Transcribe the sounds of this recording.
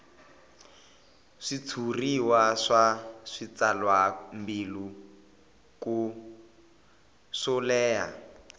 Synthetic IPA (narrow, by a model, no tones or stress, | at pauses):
ʂit͡sʰuriwaʂaʂit͡salwambilu | ku | sɔlɛːja̰